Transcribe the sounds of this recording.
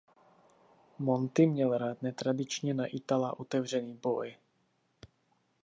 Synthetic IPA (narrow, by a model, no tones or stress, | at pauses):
mont̪ɪmɲɛlɾaːt̪nɛt̪ɾadɪt͡ʃɲɛnaʔɪt̪alaʔot̪ɛvr̝ɛniːboj